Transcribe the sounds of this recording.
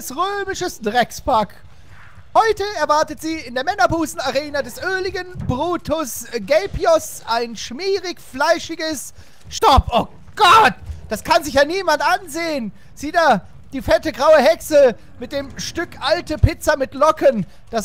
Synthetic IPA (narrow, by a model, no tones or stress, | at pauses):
sʁøːmɪʃəsd̥ʁɛkspaɐk | hɔʏtəɛɐvaɐtətz̥iːɪndeːɐmɛnɐbuːsn̩aʁeːnədɛsʔøːlɪɡənbʁuːtʰʊsɡɛɪpjɔsʔaɪnʃmiːʁɪçflaɪʃɪɡəs | ʃtɔpʔo | ɡ̥ɔt̚d̥askʰanzɪçjaːniːmantʔanzeːən | z̥iːtaː | d̥iːfɛtəɡʁaʊəɦɛksə | mɪt̚d̥eːmʃtʏkʔaltəpɪt͡sɐmɪtlɔkən | d̥as